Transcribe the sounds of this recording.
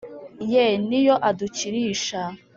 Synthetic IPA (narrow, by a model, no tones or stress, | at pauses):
jenijoʔaduciɾiːʃa